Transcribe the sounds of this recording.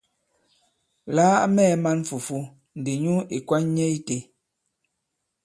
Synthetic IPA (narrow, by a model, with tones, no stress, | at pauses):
laː˦mɛː˦˨˦ma˦n˦fu˨fu˦ | n̩˨di˨ɲu˦i˨kwa˦ɲ˦ɲɛ˦i˦te˨